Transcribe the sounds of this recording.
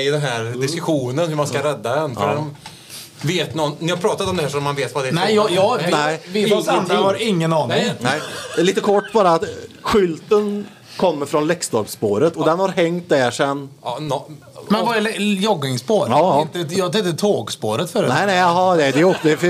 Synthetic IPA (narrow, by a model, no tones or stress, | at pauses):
d̪ɛnɦæːɾd̪ɪskɵɧuːnənhʉɾmanskaɾɛd̪ːad̪ɛnfɔm | veːt̪nɔnnɪhaɾpʰɾɑːt̪at̪ɔmd̪ɛhæːʂɔmːanveːt̪vad̪ɛɛjjɑnɛɪvɪɔanhaɾɪŋːənɑːnɪŋnɛliːt̪əkʰɔʈːbɑːɾaːt̪ɧʏlt̪ən | kʰɔmːəɾfɾɔnlɛkst̪ɔɾpspoːɾət̪ɔd̪ɛnhaɾɦɛŋt̪̚d̪ɛʂɛnː | mɛnvɑɾlɛjɔɡ̪ɪŋspoːɾɑt̪əjɑt̪ɛt̪ət̪ʰoːɡspo̰ːɾət̪fœːɾnɛɪnæɦɑd̪ɛd̪ɛɔɛf